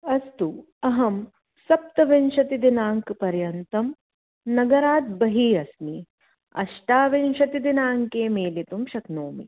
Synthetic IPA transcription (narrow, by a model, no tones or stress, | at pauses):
ɐst̪u | ɐɦɐm | sɐp̚t̪ɐʋenʃɐt̪id̪inaːŋkpɐɾjɐnt̪ɐm | nɐɡɐɾaːt̪̚bɐɦiːɐsmi | ɐ̰ʃʈaːʋenʃɐt̪id̪inaːŋkeːmeːlit̪umʃɐknoːmḭ